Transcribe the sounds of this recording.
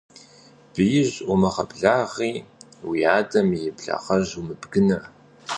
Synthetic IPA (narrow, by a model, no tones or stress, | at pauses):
b̥ɨjɪʑʔʊmɐʁɐbɮaːʁiːwiːaːdɐmjɪbɮɐ̰ʁɐʑumɨbɡɨnɨr